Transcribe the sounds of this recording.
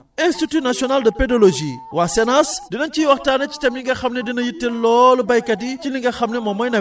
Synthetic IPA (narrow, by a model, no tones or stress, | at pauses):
ɛnstitunasiɔnaldɐpɛdɐloʒiwasɛnasdinɐnciwɐxtaːnɐci̥tɐmliŋɡɐxɐmnɛdinɐjitːɛlɔlubɐjkɐticiliŋɡɐxɐmnɛmɔmɔjnɐ